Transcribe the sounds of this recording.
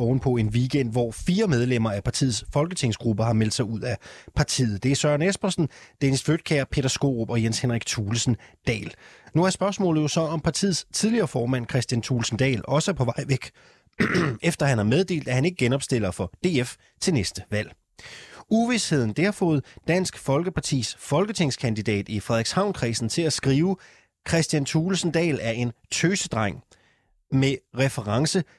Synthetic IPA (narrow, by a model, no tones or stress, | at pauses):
ɒʊn̩pʰɒ̽e̝nʋiɡ̥en̰d̥ʋɒfiːɐmeð̞ˠlem̰ɐæpʰɑ̈t͡sʰḭːð̩ˠsfɒ̽lɡ̥ət͡sʰe̝ŋ̰sɡ̥ʁubəɦɑ̈mel̰d̥sɑ̈ɪuð̞̰ˠæpʰɑ̈t͡sʰḭːð̩ˠd̥e̝æɐsɶɐnesb̥ɐsn̩d̥enisfød̥̚kʰæɐpʰe̝d̥ɐsɡ̥o̝̰ːʁb̥ɒ̽jenshenʁiɡ̥̚t͡sʰuːlsn̩d̥ɛ̰ːlnuæɐsb̥ɶɐsmɔ̰̽ːlð̩ˠjo̝sɒ̽ɒ̽mpʰɑ̈t͡sʰḭð̩ˠst͡sʰið̞ˠliɐːfɒːmæn̰kʰʁɛsd̥jænt͡sʰuːlsn̩d̥ɛ̰ːlɒ̽səpʰɒ̽ʋɑ̈ɪ̰ʋeɡ̥ | efd̥ɐhænæɐmeð̞ˠd̥e̝̰ːld̥æhæne̝ɡ̥əɡ̥enɒ̽b̥sd̥e̝l̰ɐfɒ̽d̥e̝̰ːef | t͡sʰe̝nesd̥əʋæl̰ | uʋishe̝ð̞̰ˠn̩d̥e̝hɑ̈fɔ̽ːð̞̩ˠd̥æn̰sɡ̥fɒ̽lɡ̥əpʰɑ̈t͡sʰḭːsfɒ̽lɡ̥ət͡sʰe̝ŋskʰænd̥id̥ɛ̰ːd̥ifʁɛðˠɐɡ̥shɑ̈ʊnkʰʁḭːsn̩t͡sʰe̝læsɡ̥ʁiːʊə | kʰʁɛsd̥jænt͡sʰuːlsn̩d̥ɛ̰ːlæɐe̝nt͡sʰøːsəd̥ʁɑ̈ŋ̰ | meʁɛfəʁɑ̈ŋsə